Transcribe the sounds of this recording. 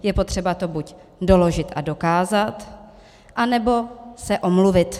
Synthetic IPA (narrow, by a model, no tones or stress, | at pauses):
jɛpo̞t̪r̝̥ɛbat̪o̞buc | do̞lo̞ʒɪt̪ʔado̞kaːzat̪ | ʔanɛbo̞sɛʔo̞mluvɪt̪